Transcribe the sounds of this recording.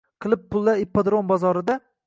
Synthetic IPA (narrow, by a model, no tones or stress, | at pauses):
qʰɨlˠɪpːʊlˠːaɾɪpːad̪ɾonbɒzɒɾɪd̪a